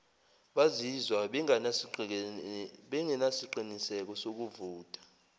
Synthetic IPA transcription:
ɓazizwaɓŋans | ɓɛŋɛnasiǃinisɛk̬ɔsok̬uvuːtʼḁ

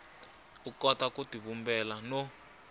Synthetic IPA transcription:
ukɔtakutiβumbɛlano

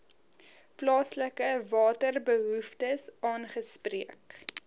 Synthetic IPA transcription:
plɑːsləkəvɑːtərbəɦuftəsɑːnχəspriək

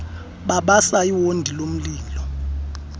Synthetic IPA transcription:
ɓaɓasaiwondʱilom̩liːlɔ

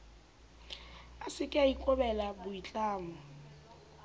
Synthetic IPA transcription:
asɪkʼɪaikʼɔbɛlabʊit͡ɬʼaːmʊ

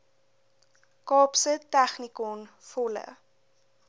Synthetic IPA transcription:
kɑːpsətæχnikɔn | fɔlə̰

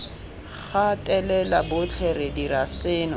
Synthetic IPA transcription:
χatʼɛlɛlabʊt͡ɬʰɛrɛdiɾasɪːnɔ

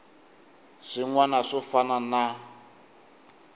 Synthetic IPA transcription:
ʂiŋwanaʂɔfanana

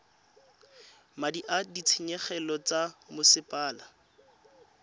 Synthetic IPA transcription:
madiʔadit͡sʰɪɲɛχɛlɔt͡samʊsɪpʼaːla

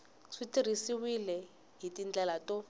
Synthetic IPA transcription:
ʂitiɾ̤isiwilɛ | ɦitind͡ɮɛlatɔ

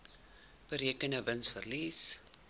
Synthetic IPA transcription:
b̥əɾiəkənəvənsfərlis

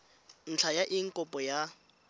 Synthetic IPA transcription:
n̩t͡ɬʰajaʔɪŋ̩kʼʊpʼɔja

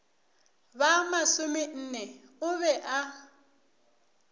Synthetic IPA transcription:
βamasʊmin̩ːnɛ | ʊβɛʔa

